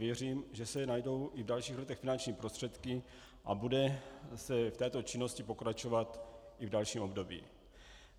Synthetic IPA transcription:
jɛriːmʒɛsɛnajdo̞wʔɪvdalʃiːxlɛt̪ɛxfɪnant͡ʃɲiːpɾost̪r̥ɛt̪kɪ | ʔa̰budɛsɛft̪ɛːt̪ot͡ʃɪno̞scɪpo̞kɾat͡ʃo̞vat̪ʔɪvdalʃiːmo̞bdo̞bḭː

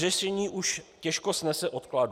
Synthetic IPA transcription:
rɛʃɛɲiːʔuʃcɛʃkosnɛsɛʔot̪klaːd

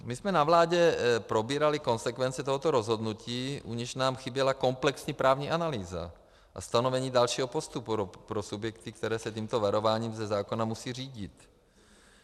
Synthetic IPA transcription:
mɪsmɛnavlaːɟɛpɾobiːɾalɪko̞nsɛkvɛnt͡sɛt̪oɦot̪oɾozɦo̞d̪nuciːʔuɲɛʃnaːmxɪbjɛlako̞mplɛksɲiːpɾʔaːvɲiːʔanaliːza̰ | ʔa̰st̪anovɛɲiːdalʃiːɦopost̪upuɾpɾosubjɛk̚t̪ɪk̚t̪ɛɾɛːsɛc̪iːmt̪ovaɾo̞vaːɲiːmzɛzaːkonamusiːr̝iːɟɪt̪

